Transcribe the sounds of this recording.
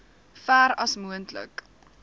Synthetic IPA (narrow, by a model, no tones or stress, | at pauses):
fæːɾɐsmuəntlə̰k